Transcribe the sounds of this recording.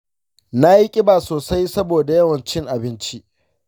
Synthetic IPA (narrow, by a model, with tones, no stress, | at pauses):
na˦ji˦kʲʼɪ˦baː˨soː˨sa˦jsɐ˦boː˨da˨jɐ˦wɐ˨nt͡ʃɪ˦ŋʔa˨bɪ˦nt͡ʃi˦ʔ